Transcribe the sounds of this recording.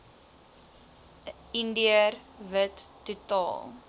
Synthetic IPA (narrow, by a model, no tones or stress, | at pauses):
indiərvətːutɑ̰ːlˠ